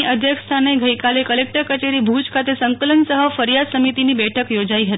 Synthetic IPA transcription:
iʔəd̪ʱjəkst̪ʰaneɡʱəikalekəlek̚ʈəɾkət͡ʃeɾibʱud͡ʒkʰat̪esəŋkələnsəɦəfəɾjad̪səmit̪inibɛʈʰəkjod͡ʒaiɦət̪i

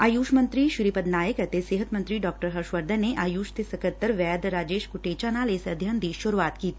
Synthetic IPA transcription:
aːjuːʃmə̃nt̪ɾiʃʊɾipəd̪naːjəkɛt̪eseːɦət̪mɐ̃nt̪ɾiɖɔːk̚ʈəɾɦɐɾʃʋəɾd̪ə̃nːeʔaːjuːʃt̪esɐkət̪ːəɾʋɛːd̪ɾaːd͡ʒeːʃkʊʈeːt͡ʃanaːleːsɐd̪ʱjənd̪iːʃʊɾuaːt̪kiːt̪ː

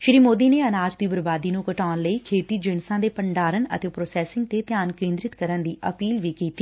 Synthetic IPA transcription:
ʃɾiːmoːd̪iːneːənaːd͡ʒt̪iːbəɾbaːd̪iːnũːkəʈaːnləiːkʰeːt̪iːd͡ʒɪnsãːd̪eːpəɳɖaːɾənə̰t̪eːpɾoːsɛːsɪ̃ŋɡ̚t̪eːt̪jaːnkẽːnd̪ɾɪt̪kəɾənd̪iːʔəpiːlʋiːkiːt̪iː

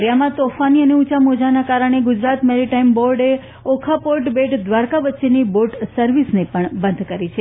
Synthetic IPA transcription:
ɾjamãt̪ofaniəneut͡ʃamod͡ʒanakaɾəɳ̃eɡʊd͡ʒɾat̪meɾiʈaimboɾɖe | okʰapoɾʈbeʈd̪ʋaɾkaʋət̪ːʃeniboɾʈsəɾʋisnepəɳbə̃nd̪ʱkəɾit͡ʃʰe

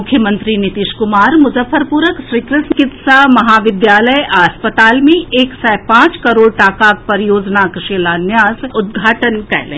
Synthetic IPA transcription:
ʊkʰːjəmə̃nt̪ɾinɪt̪iːʃkʊmaːɾmʊzəfːəɾpuːɾəkʃɾiːkɾɪsmkɪt̪samɐɦaːʋɪd̪jaːləjaːspət̪aːlmẽeːksɛːpãːt͡ʃkɐɾoːɽʈaːkaːk̚pɐɾɪjoːd͡ʒnakɪʃelaːnjaːsʊd̪̚ɡʱaːʈənkɛ̰ɦlḛ̃

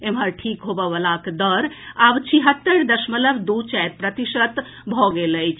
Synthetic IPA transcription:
emɦəɾʈʰikɦobəbəlakd̪əɾabt͡ʃʰiɦət̪ːəɾd̪əsmələbd̪ut͡ʃɛɾpɾət̪iʃət̪ | bʱɔɡeləjt͡ʃʰ

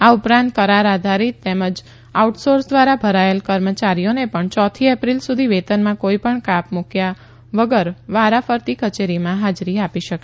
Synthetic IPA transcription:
aupɾãnt̪̚kəɾaɾad̪ʱaɾit̪t̪ːeməd͡ʒ | auʈsoɾsd̪ʋaɾabʱəɾaelkəɾmət͡ʃaɾijonepəɳt͡ʃɔt̪ʰiepɾilsud̪ʱiʋet̪ənmãkoipəɳkapmukja | ʋəɡəɾʋaɾafəɾt̪ikət͡ʃeɾimãɦad͡ʒɾiapiʃəkʃe̥

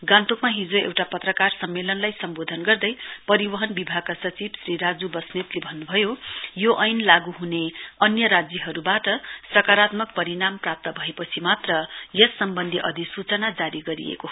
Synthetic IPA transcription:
ɡãnt̪okmaɦid͡zoḛwʈapʌt̪rʌkarsʌmːelʌnlajsʌmbod̪ʱʌnɡʌrd̪ʌjpʌɾibʌɦʌnbibʱaɡ̚kasʌt͡sibsriɾad͡zubʌsnet̪lebʱʌnːubʱʌjojoʔʌjnlaɡuɦuneʌnjʌɾad͡zjʌɦʌɾubaʈʌsrʌkaɾat̪mʌk̚pʌɾinamprap̚t̪ʌbʱʌepʌt͡sʰimat̪rʌjʌsːʌmbʌnd̪ʱiʔʌd̪ʱisut͡sʌnad͡zaɾiɡʌɾḭḛko

